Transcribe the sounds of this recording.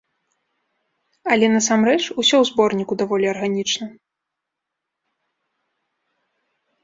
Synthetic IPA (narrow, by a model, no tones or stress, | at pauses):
ɐlʲɛnɐsamrɛt͡ʂusʲɔwzbɔrnʲikud̪avɔlʲiɐrɣanʲit͡ʂnɐ